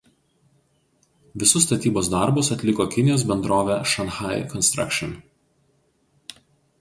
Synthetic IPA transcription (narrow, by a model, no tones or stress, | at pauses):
ʋʲɪsʊst̪ɐt̪ʲiːboːsd̪ɐˑɾbʊsɐt̪ʲlʲɪkoːkʲɪnʲɪjoːs̬bʲɛnd̪ɾoːʋʲɛːʃɐnxaˑɪkɔnst̪ɾɐ̰kʃʲɪn